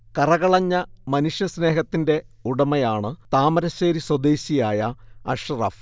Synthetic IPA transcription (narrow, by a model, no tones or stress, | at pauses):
kɐrɐɣɐɭɐɲːɐmɐnuʂjɐsne̞ːɦɐt̪ːinde̞uɽɐmɐjaːɳɨt̪aːmɐɾɐɕeːɾiswɐd̪eːɕijaːjɐɐ̰ʂɐrɐ̰f